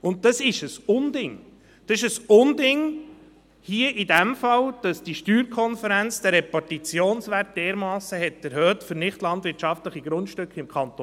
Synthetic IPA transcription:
ʊnt̚d̥ɑsɪʃəsʊndɪŋ | d̥̪ɑsɪʃəsʊndɪŋ | hiəʔidæmfɑld̥ɑsd̥iʃtyːɾkʰɔnfəɾænt͡sd̥̪ɛɾɛpɑtit͡sjoːnsʋæɾt̚d̥eːɾmɑːsːəɦɛtːəɾɦøːt̪fəɾnɪχtlɑntʋɪɾtʃɑftləχiɡɾʊntʃtʏkχɪmkʰɑnt̪o

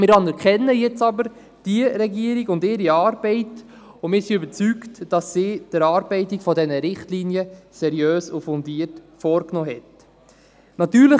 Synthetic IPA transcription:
mɪːɾɑnɛɾkχɛnːəjɛt͡sɑbəɾ | d̥iəɾɛɡiəɾiɡʊndɪːɾiɑːɾbɛɪt | ʊnmɪːɾsiøbəɾt͡syktd̥ɑsːiːd̥əɾɑːɾbɛɪtikfɔdɛnəɾɪχtliːnjəsɛɾjøːsufɔndiətfɔːɾknɔːɦɛt | nɑt̪yːɾlə

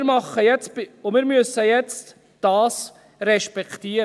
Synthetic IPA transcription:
ɾmɑχəjɛt͡stbʊmiːɾmysəjɛt͡st | d̥ɑːs | ɾɛʃpɛktiːɾ

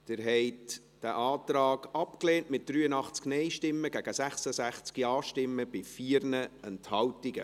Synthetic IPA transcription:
d̥ɪɾɦɛɪt | d̥æʔɑːt̪rɑːɡɑpkleːntmɪt̚d̥ryːənɑχt͡sknɛɪʃtɪmːəɡ̥æɡ̥əsæχsəsæχt͡skiɑːʃtɪmːəb̥ɪfiːɾnəɛnthɑwtɪɡ̥ə̰

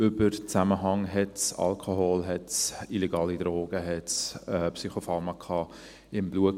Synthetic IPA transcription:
ʏbəɾt͡sæməɦɑŋɦɛtsɑ̰lkʰoɦoːlɦɛtsilɛɡɑːlid̥ɾoːɡ̥əɦɛtsɛpsyχofɑɾmɑkʰɑː | ɪmbluə

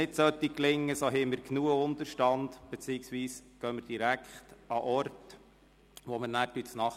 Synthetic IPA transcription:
ɪtsœt̪ːiklɪŋːəsɔɦɛɪmɪɾknuːəʊnd̪əɾʃtɑnd̪̥b̥ɛt͡siɪksʋiːsɡ̥œməɾd̥iɾækχtɑʔɔɾt | ʋɔməɾnæːɾtysnɑχ

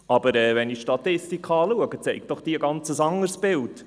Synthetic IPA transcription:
ɑb̥əɾɛːvɛniʃtɑtɪstikχɑːluəɡət͡sɛɪk̚d̥ɔχd̥iːəɡɑnt͡səsɑŋərsb̥ɪlt

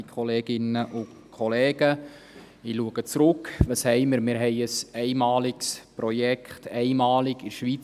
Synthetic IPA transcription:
kʰχɔleːɡ̥ɪnəʔʊkʰɔleːɡ̥ə | iluəɡ̥ət͡sɾʊkʋɑshɛɪməɾmɪɾɦɛɪəsɛɪmɑːlɪksprɔjɛkχtɛɪmɑːlɪɡɪɾʃʋiːt͡s

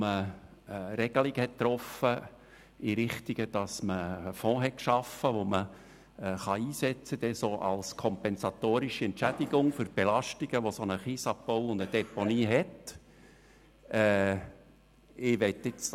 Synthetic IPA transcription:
mə | ɾɛɡ̥əliɡhɛtt̪ːɾɔfə | iɾɪχt̪iɡəd̥ɑsməːfɔ̃ːɦɛtkʃɑfəʋomə | χɑiːsɛt͡səd̥̪ɛsoʔɑ̰lskʰɔmpɛnsɑt̪oːɾiʃiɛntt͡ʃæd̥iɡ̥ʊŋfʏɾb̥elɑʃtiɡ̥əʋosonəχiːsɑpboʊʊnd̥̪əd̥ɛponiːɦɛt | ʔɛ | ɪʋɛt̪ːɪt͡s

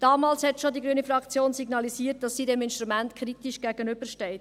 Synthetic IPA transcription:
d̥ɑːmɑːlshɛtʃodiɡɾyənifɾɑkt͡sjoːnsiɡnɑlisiːət̚d̥ɑsːiːdɛmɪnʃtɾumæntkχɾitiʃɡ̥æɡ̥ənʏb̥əʃtɛɪt

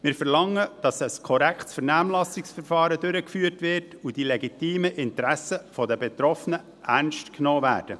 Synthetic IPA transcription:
mɪːɾfɛrlɑŋːəd̥ɑsəskʰɔɾækχtsfɛɾnæːmlɑsɪksfɛrfɑːɾədʏɾəkfyːərtʋɪrtud̥ilɛɡitiːməʔɪntɾæsəfɔdəbɛt̪ɾɔfənə | ʔærnʃtknoːvæ̰ːɾd̥ə

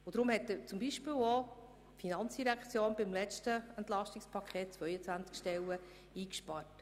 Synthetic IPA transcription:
ʊd̥ɾʊmhɛtːət͡sʊmbiʃpɪːwo | finɑnt͡sd̥iɾækʰt͡sjoːnbɪmlɛt͡ʃtəɛnt̪lɑʃtɪkspʰɑkʰχeːt̚t͡sʋœʏət͡sʋænt͡skʃtɛlːə | iːkʃpɑɾt

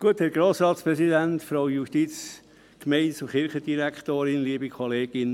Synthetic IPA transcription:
ɡ̥uəthɛɾɡ̥ɾoːsɾɑːt̪spɾɛsidænt̪fɾoʊjuʃtit͡s | kmɛɪntsʊχɪɾχəd̥iɾækχt̪oːɾɪnliəbikʰɔleːɡ̥ɪn

